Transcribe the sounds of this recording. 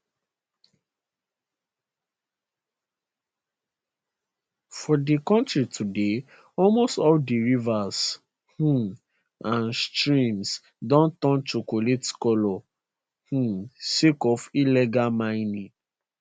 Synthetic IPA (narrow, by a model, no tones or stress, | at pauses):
fɔdekɔ̃ntɹitude | ɔlmostɔldiɹivas | h̩ | ãnstɹĩms | dɔ̃ntɔ̃nt͡ʃokoletkɔlɔ | hũsekɔfilɛɡalmãɪnĩ